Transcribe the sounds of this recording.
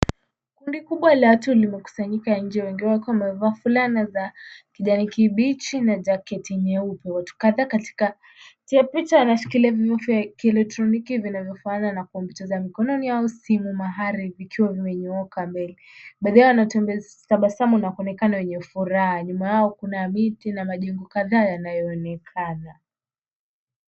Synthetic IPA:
kundikuɓwalatulimɛku̥saɲikaɲ̩d͡ʒɛwɛŋɡiwɛwakiawamɛvaːfulanazakiʄanikiɓit͡ʃinad͡ʒakɛtiɲɛupɛwatu̥kaðaːkati̥ka | tiapit͡ʃawanafi̥kiliavivɔfakɛlɛk̚tɾɔnikivinavjɔfaaːnanakuɔmbɛtɛzamikɔnɔniausimumaɦaɾivikʰiwavimɛɲɔɔkambɛliɓaðɛwanatɛ | taɓasamunakɔnɛkanawɛɲɛfuɾaɦaɲumajaɔkunamitinamaʄɛŋɡɔkaðaːjanajɔːnɛkʰana

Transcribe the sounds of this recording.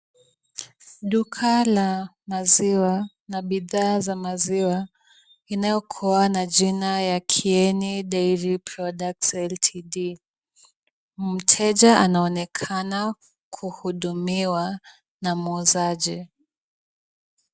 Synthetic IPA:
ɗukʰala | maziwa | naɓiðaːzamaziwa | inajɔkʰuanad͡ʒinajakʰiɛniɗɛiɾipʰɾɔdak̚tɛltʰiɗi | m̩tʰɛd͡ʒaʔanaɔnɛkʰana | kʰuhuɗumiwa | namuzaʄi

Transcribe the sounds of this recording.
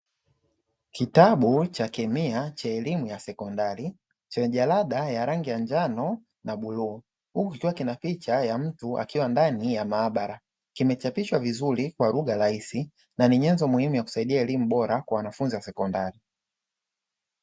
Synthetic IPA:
kitaɓut͡ʃakɛmiat͡ʃaɛlimujasɛkɔndaɾi | t͡ʃɛʄalaɗajaɾaŋɡijand͡ʒanɔ | naɓuluː | hukukikiwakinapit͡ʃajam̩tua̰kiwandanijamaːɓaɾa | kimɛt͡ʃapiʃwavizuɾikwaluɠaɾaisi | naniɲɛnzɔmuhimujaku̥saiɗiaɛlimuɓɔɾakwawanafunziwasɛkɔndaɾi

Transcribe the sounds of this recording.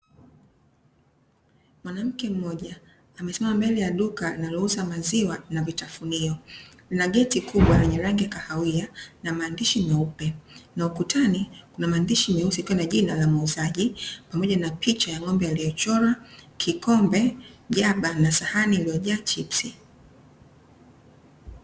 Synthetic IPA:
mwanam̩kɛm̩mɔʄaː | mɛsɛmamambɛlɛjaɗukanalɔuzamaziwanavitafuniɔ | linaɠɛtikʰuɓwaɾɛɲɛɾaŋɡiakahawianamaːndiʃimɛupɛnaukutʰanikunamaːndiʃimɛusikiwanaʄinalamauzaʄipamɔʄanapʰit͡ʃajaŋɔmbɛalijɔt͡ʃɔɾakʰikɔmbɛʄaɓanasahaniːlijɔʄaːt͡ʃipsi

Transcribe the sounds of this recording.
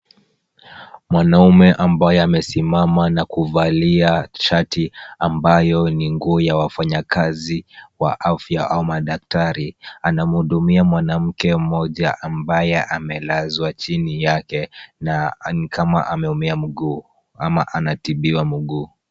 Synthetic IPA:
mwanaumɛʔambajɔamɛsimamanakuvaliat͡ʃatiambajɔniŋɡuɔjawafaɲakaziwa̰ʔafjaʔaumaɗak̚taɾianam̩huɗumiamwanam̩kɛmɔʄaʔambajɛʔamɛlazwat͡ʃinijakɛnanikʰama̰ʔamɛumiam̩ɡuː | ama̰ʔanatiɓiwamuɠuː

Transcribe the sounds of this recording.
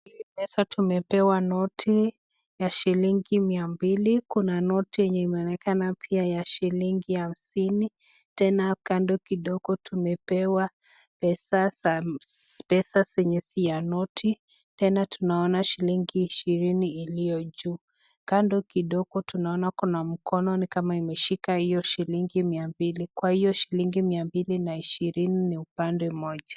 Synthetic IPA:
iimɛsatumɛpɛwanɔtʰi | jaʃiliŋɡimiambilikunanɔtijɛɲɛimɛɔnɛkanapʰiajaʃiliŋɡiham̩sini | tɛnakandɔkiɗɔɡ̥ɔtʰumɛpɛwa | pɛsa | pɛsasɛɲɛsijanɔtʰi | tɛnatʰunaɔnaʃiliŋɡiːʃiɾiniːlijɔʄuː | kandɔkiɗɔɡɔtunaɔnakɔnam̩kɔnɔnikamaimɛʃikahijɔʃiliŋɡimiambilikwahijɔʃiliŋɡimiambilinaiʃiɾininiupandɛmɔʄa

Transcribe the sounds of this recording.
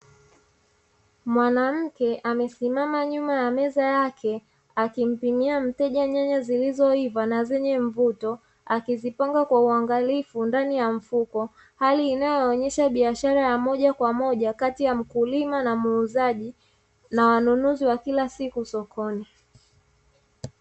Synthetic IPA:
mwanam̩kɛʔamɛsimamaɲumajamɛzajakʰɛ | akim̩pimiam̩tɛʄaɲaɲazilizɔivanazɛɲɛɱvutɔ | akizipaŋɡakwauaŋɡalifundanijaɱ̩fukɔ | haliːnajɔːɲɛʃaɓiaʃaɾajamɔʄakwamɔʄakatijam̩kulimanamuːzaʄi | nawanunuziwakilasikusɔkʰɔni

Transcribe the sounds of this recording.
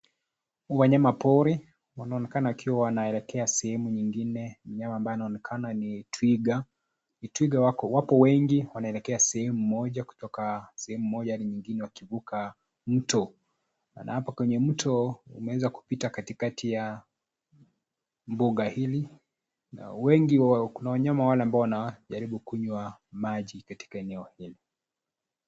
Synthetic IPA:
waɲamapɔɾi | wanaɔnɛkanawakʰiwawanaɛlɛkʰɛasɛhɛmuɲiŋɡinɛm̩ɲamaːmbajɛanaɔnɛkʰananitwiɡa | nitwiɡawakɔwapɔwɛŋɡiwanaɛlɛkɛasɛhɛmumɔʄaku̥tɔkasɛhɛmumɔʄahaliɲiŋɡinɛwakivuka | m̩tɔ | na̰hapakwɛɲɛm̩tʰɔṵmɛwɛzaku̥pitakatikatija | mbuɠahili | na̰wɛŋɡiwkunawaɲamawalɛambaɔwanaʄaɾiɓukuɲwamaʄikati̥kaɛnɛɔhili

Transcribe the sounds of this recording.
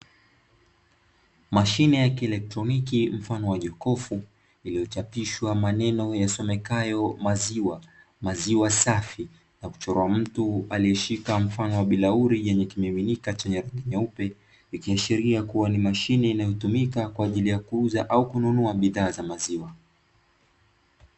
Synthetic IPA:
maʃinɛjakiɛlɛk̚tɾɔnikim̩fanɔwaʄɔkɔfu | ilijɔt͡ʃapiʃwamanɛnɔjasɔmɛkajɔmaziwa | maziwasafi | naku̥t͡ʃɔɾɔam̩tualijɛʃikam̩fanɔwaɓilauɾiʄɛɲɛkimɛminikat͡ʃɛɲɛɾɛŋɡiɲaupɛ | ikiaʃiɾiakuwanimaʃinɛinajɔtumikakwaːʄilijakuuzaʔaukununuaɓiðaːzamaziwa

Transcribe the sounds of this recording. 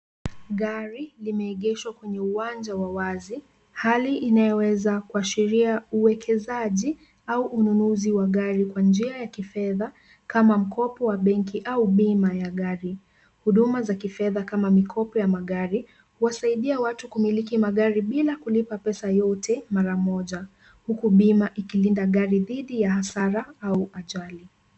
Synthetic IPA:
ɠaɾilimɛiɠɛʃwakwɛɲɛuwand͡ʒawawazi | haliʔinajɔwɛzakuaʃiɾiauwɛkʰɛzaʄi | auʔununuziwaɠaɾikwand͡ʒiajakifɛða | kamam̩kɔpɔwaɓɛŋkiʔauɓimajaɠaɾi | huɗumazakifɛðakamamikʰɔpɔjamaɠaɾi | huwasaiɗiawatukumilikimaɠaɾiɓilakulipapɛsajɔtʰɛmaɾamɔʄa | hukuɓimaʔikilindaɠaɾiðiɗijahasaɾaauʔaʄali

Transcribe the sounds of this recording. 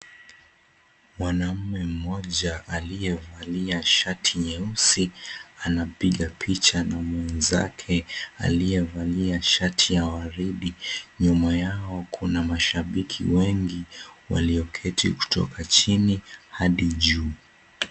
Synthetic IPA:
mwanam̩mɛm̩mɔʄaʔalijɛvaliaʃatʰiɲɛusianapiɠapʰit͡ʃanamwɛnza̰kʰɛa̰lijɛvaliaʃatʰijawaɾiɗiɲumajaɔkʰunamaʃaɓikʰḭwɛŋɡiwa̰liɔkʰɛtʰḭku̥tɔ̰kat͡ʃinihaɗiʄuː

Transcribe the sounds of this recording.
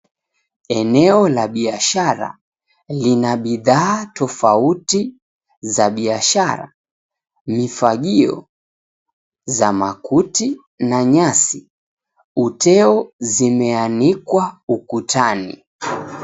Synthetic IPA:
ɛnɛɔlaɓiaʃaɾa̰ | linaɓiðaːtɔfauti | zaɓiaʃaɾa̰ | mifaɠiɔ̰ | zamakuti | naɲasi | utʰɛɔzimɛanikwaukutʰanḭ

